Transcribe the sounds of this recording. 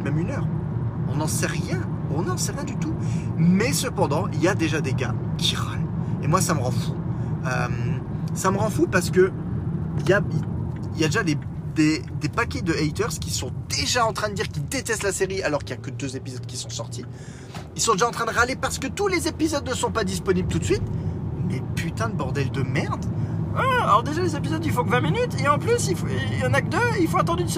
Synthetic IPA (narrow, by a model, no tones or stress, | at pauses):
mɛmynœːʁɔ̃nɑ̃sɛʁjɛ̃ | ɔ̃nɑ̃sɛʁjɛ̃d̪yt̪umɛsəpɑ̃d̪ɑ̃iljad̪eʒad̪eɡa | kʰʲiʁa̰lemwasaməʁɑ̃fuø̰msaməʁɑ̃fupaʁsə̥kə | iljai | iljad̪eʒad̪ed̪ed̪epakʲɛd̪əɛjt̪œʁskʲisɔ̃d̪̥eʒaɑ̃t̪χɛ̃d̪əd̪iʁkʲild̪et̪ɛst̪laseʁialɔʁkʲiljakəd̪øzepizɔd̪̚kʲisɔ̃sɔʁt̪ʰi | kilsɔ̃d̪eʒaɑ̃t̪χɛ̃d̪əʁalepaʁsə̥kət̪ulezepizɔd̪nəsɔ̃pad̪ispɔniblət̪ut̪sɥit̪lepyt̪ɛ̃d̪əbɔʁd̪ɛld̪əmɛʁd̪aalɔʁd̪eʒalezepizɔd̪ifɔ̃kvɛ̃minyt̪eɑ̃plysifjɑ̃nakəd̪əilfoat̪ɑ̃d̪yd̪s